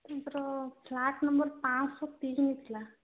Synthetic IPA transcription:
t̪ɾɔpʰlaʈnəmbəɾpãt͡ʃsɔt̪ismit̪ʰla

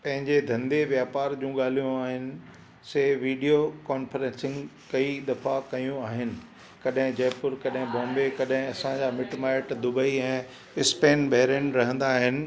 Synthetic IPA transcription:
pɐ̃ɦɪ̃ɲd͡ʑed̪ʱɐ̃nd̪eʋjaːpaːɾd͡ʑũːɠaːl̤ijũaːɦɪnɪ̆ | seːʋiːɖijokɔːnfəɾɛ̃nsɪ̃ŋɡkɐid̪ɐfakɐjũaːɦɪnɪ̆ | kɐɗɦɪ̃d͡ʑɐːpʊɾkɐɗɦɪ̃bɔ̃ːmbekɐɗɦɪ̃ɐsãd͡ʑaːmɪʈmaːɪʈd̪ʊbəiɛ̃ː | ɪspeːnbɐɦɾənɾɐɦə̃nd̪aːɦɪnɪ̆

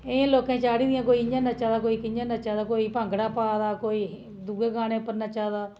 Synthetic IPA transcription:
ɪãːloːkẽːt͡ʃaːɽiːd̪ɪjãːk̬oːiːɲãːnat͡ʃaːd̪aːk̬oːiːkɪɲãːnat͡ʃaːd̪aːkoːiːpə̃ŋɡɽaːpaːd̪aːkoːiː | d̪uːɡeːɡaːñẽːʊpːəɾnaːt͡ʃaːd̪aː

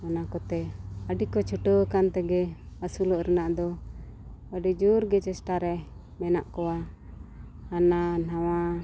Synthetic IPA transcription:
anakɔt̪ɛəɖikɔt͡ʃʰuʈəwəkant̪ɛɡɛ | əsuləʔɾənaʔd̪ɔ | əɖid͡ʒuɾɡɛt͡ʃɛsʈaɾɛ | mɛna̰ʔkɔwa | nanawa

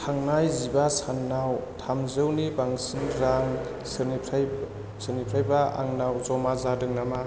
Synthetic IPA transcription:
tʰaŋnajzibasanːawtʰamzɯwnibaŋsiŋɾaŋ | sɯnipʰ | sɯnipʰɾajbaʔa̰ŋnawzɔmazadɯŋnama

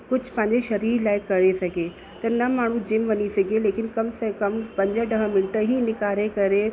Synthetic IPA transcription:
kʊd͡ʑʱpɐ̃ɦɪ̃ɲd͡ʑeʃɐɾiːɾlaːɪkɐɾesɐɡʱe | t̪ɐnɐmaːɳ̤ũd͡ʑɪmʋɐɲisɐɡʱeleːkɪnkɐmsɐkɐmpɐ̃ɲd͡ʑəɖɐɦəmɪnɪʈəɦinɪkaːɾekɐɾe

